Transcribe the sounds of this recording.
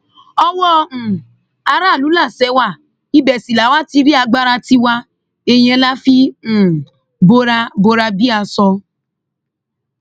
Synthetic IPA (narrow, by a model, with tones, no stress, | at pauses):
ɔ˧wɔ̃˦˨ | a˧ɾa˦˨lu˨˦la˦˨sɛ˨˦wa˦˨ | i˦bɛ˨si˨la˨˦wa˦ti˧ɾi˦a˧ɡ͡ba˦ɾa˧ti˧wa˧ | e˧j̃ɛ̃˧˦la˦fĩ˦˨ | bo˧˦ɾa˧bo˧ɾa˧bi˦a˧sɔ˧